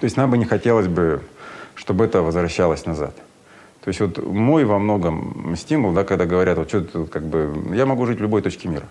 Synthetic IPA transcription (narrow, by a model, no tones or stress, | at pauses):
t̪o̞ɪsʲnambɨnʲɪxɐtʲe̞lˠəzʲbɨʂt̪o̞bɛt̪əvəzvɾɐɕːalˠəsʲnɐza̰t̪ | t̪ːo̞ɪsʲvo̞t̪mo̞jvɐmno̞ɡəmsʲtʲimlˠd̪akɐɡd̪aɡəvɐɾʲat̪vot̪t͡ɕot̪əkaɡ̚bɨjamɐɡuʐɨtʲvlʲʊbo̞jt̪o̞t͡ɕkʲɪmʲḭɾə